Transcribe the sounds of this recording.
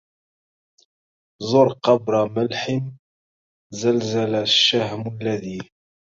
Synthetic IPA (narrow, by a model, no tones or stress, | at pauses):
zˤʊɾˤqɑbɾaməlħəm | zəlzalaʃːahməlːaði